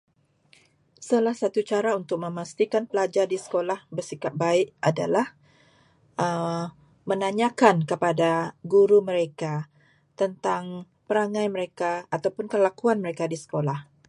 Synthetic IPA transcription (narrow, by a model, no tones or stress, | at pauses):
salahsat̪ut͡ʃaɾaunt̪ʊk̚mə̃mast̪ikanpəlad͡ʒardisə̥kolahbərsikap̚baɪʔada̰lah | ʔə | mənaɲakankəpadaɡuɾuməɾeka | t̪ənt̪aŋ | pəɾaŋãjməɾekaːt̪awpʊnkəlakuanməɾekadisə̥kolah